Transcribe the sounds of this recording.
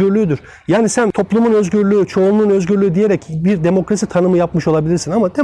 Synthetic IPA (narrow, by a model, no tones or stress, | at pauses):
yɾlʲyːd̪yɾ̥ | jaːnisænt̪ʰo̞plˠumunø̞zɟyɾlʲyyt͡ʃʰo̞unlˠuːnø̞zɟyɾlʲyːd̪ije̞ɾɛcbiɾd̪e̞mo̞kɾasit̪ʰanɯmɯjapmɯʃo̞lˠabilʲiɾsinamad̪e